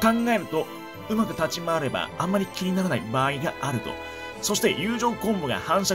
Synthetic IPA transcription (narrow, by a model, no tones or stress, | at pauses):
kãŋɡae̞ɾɯ̟t̪o̞ | ɯ̟makɯ̟t̪at͡ɕimaːɾe̞bã̰ːmːaɾʲikʲiɲ̟inaɾanaibaːiɡaʔaɾɯ̟t̪o̰ | so̞ɕi̥t̪e̞jɯːʑo̞ːkõ̞mboɡa̰hãɰ̃ɕa